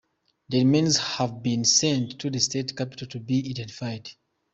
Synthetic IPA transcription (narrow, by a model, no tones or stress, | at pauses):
ðəɹmĩnzhavbĩnsɛ̃nttʰːuðəstetkapi̥tʰaltʰubiadɛ̃nti̥fajd